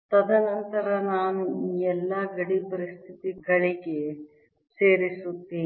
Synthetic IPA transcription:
t̪ɐd̪ʱɐnɐnt̪ɐɾɐnaːnuɛlːɐɡɐɽipɐɾist̪ʰit̪iɡɐɭiɡe | seːɾisut̪ːiː

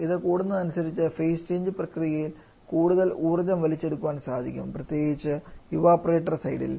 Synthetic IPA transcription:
iðɨkuːɽunːɨɐnusɐɾit͡ɕːɨfeːst͡ɕe̞ːɲd͡ʑɨprɐkrijɐjil | kuːɽuðɐluːrɐd͡ʑɐmʋɐlit͡ɕːe̞ɽukːuʋaːnsaːd̪ʱḭkʲːṵmprɐt̪je̞ːɡit͡ɕːɨjuʋaːpːɐreːʈːɐrsɐjɽḭl

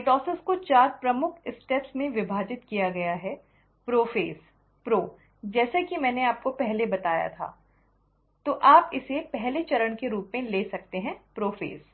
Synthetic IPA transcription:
eʈɔːsɪskot͡ʃaːɾpɾɐmʊkʰɪsʈɛːpsmẽʋɪbʱaːd͡ʒɪt̪kijaɡɐjaɦɛ | pɾoːfeːs | pɾoː | d͡ʒɛːsekimɛ̃ːneaːp̚kopɛɦlebɐt̪aːja̰t̪ʰa̰ː | t̪oʔaːpɪsepɛɦlet͡ʃɐɾəɳkeɾuːpmẽleːsɐk̚t̪eɦɛ̃pɾoːfḛːs

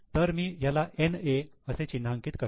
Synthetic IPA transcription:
t̪əɾmiːjalaʔeneəset͡ɕinːaəŋkiːt̪kə

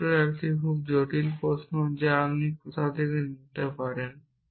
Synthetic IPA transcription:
eɾɛkʈikʰub̚d͡ʑoʈilpɾosnod͡ʑeamnikot̪ʰad̪ekenit̪epaɾen

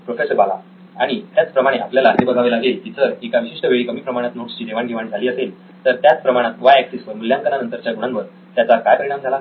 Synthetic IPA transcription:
pɾofesəɾbala̰ | aɽ̃it̪jat͡spɾəmaɽ̃eʔapljalaɦebəɡʱaʋelaɡelt̪it͡səɾekaʋiɕiʂʈəʋeɭikəmiːpɾəmaɽ̃at̪noʈst͡ɕiːd̪eʋaɳɡʱeʋaɽ̃id͡zʱaliːəsel | t̪əɾt̪jat͡spɾəmaɽ̃at̪ʋajɛksisʋəɾmuljãŋkəlanənt̪əɾt͡ɕjaɡuɽ̃anʋəɾ | t̪jat͡sakajpəɾiɳamd͡zʱala

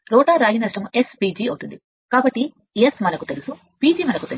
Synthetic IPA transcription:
ɾɔːʈaːɾaːjinɐʂʈɐmuʔe̞spiːd͡ʒiːɐwut̪und̪i | kaːbɐʈːi | esmɐnɐkut̪e̞lusu | piːd͡ʒiːmɐnɐkut̪e

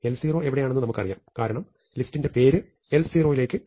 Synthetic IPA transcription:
elsiːro̞ːe̞ʋiɽejaːɳenːɨnɐmukːɐrija̰ːmkaːɾɐɳɐm | listːinde̞pe̞ːɾɨ | elsiːro̞ːjile̞ːkːɨ

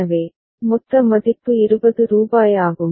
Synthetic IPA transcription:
ɐʋeː | mʊt̪ːɐmɐðɪpːɯɪɾɯbɐðɯɾuːbaːjaːɣɯm

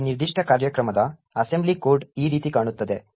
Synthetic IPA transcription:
niɾd̪iʂʈʰəkaɾjəkɾəməd̪a | ɐsemblikoɾɖiːɾiːt̪iːkaɽ̃ut̪ːəd̪e

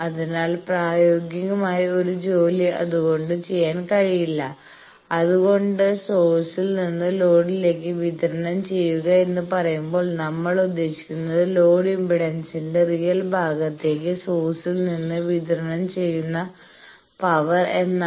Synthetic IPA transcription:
ɐðinaːlpraːjo̞ːɡjɐŋumaːjio̞ɾud͡ʑo̞ːliʔɐ̰ðuɣo̞ɳɖɨt͡ɕe̞jːaːnkɐɻijilːɐ | ɐðuɣo̞ɳɖɨsoːsilninːɨlo̞ːɽile̞ːkːɨʋid̪ʱɐɾɐnɐmt͡ɕe̞jːuɣɐe̞nːɨpɐrɐjumbo̞ːɭnɐmːɐɭud̪ːe̞ːɕi̥kʲːunːɐðɨlo̞ːɽimbiɽensinde̞rijɐlbʱaːɡɐt̪ːe̞ːk̬ːɨsoːsilninːɨʋid̪ʱɐɾɐnɐmt͡ɕe̞jːunːɐ | pɐʋɐre̞nːa

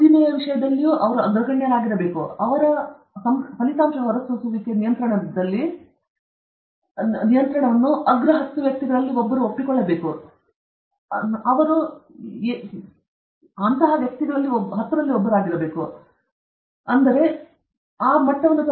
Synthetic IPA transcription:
inɐjɐʋiʂɐjɐd̪ɐlːijuʔɐʋɐɾuɐɡɾɐɡɐɳjɐlaːɡiɾɐbe̞ːkuɐʋɐɾɐ | sɐmpɐlit̪aːmʂɐɐɦɐɾɐsɐsuʋikːenijɐnt̪ɾɐɳɐd̪ɐlːi | nijɐnt̪ɾɐɳɐʋɐnːuʔɐɡɾɐɦɐt̪ːuʋjɐk̚t̪iɡɐɭɐlːiɔbːɐɾuopːikɔɭːɐbe̞ːku | ɐʋɐɾue | ɐnt̪ɐɦɐʋjɐk̚t̪iɡɐɭɐlːioɦɐt̪ːd̪ɐlːiɔbːɐɾuaːɡiɾɐbe̞ːku | ɐnd̪ɐɾe̞ | aːmɐʈːɐʋɐnːus

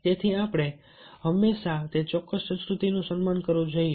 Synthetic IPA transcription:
t̪et̪ʰiapɽ̃e | ɦəmːeʃat̪et͡ʃɔkːəssə̃nskɾut̪inũsənmankəɾʋũd͡ʒoie

